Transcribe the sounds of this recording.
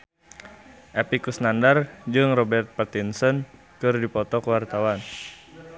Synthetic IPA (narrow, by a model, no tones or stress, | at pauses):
ʔɛpikusnandard͡ʒɨŋrɔbɛrt̪̚pat̪insɔn | kɨrdipɔt̪ɔkəwart̪awan